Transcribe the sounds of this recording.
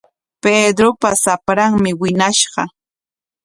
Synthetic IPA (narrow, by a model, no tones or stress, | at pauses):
ped̪ɾopasapɾaŋmɪwɪnaʃɢɑ̰